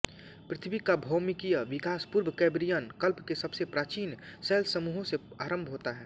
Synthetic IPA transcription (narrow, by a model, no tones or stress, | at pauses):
pɾɪt̪ʰbikabʱɔːmɪkijəʋɪkaːspuɾbʱkɛːbɾijənkəlpkesɐbsepɾaːt͡ʃiːnsɛːlsəmuːɦõse | aːɾə̃mbʱɦoːt̪aɦɛː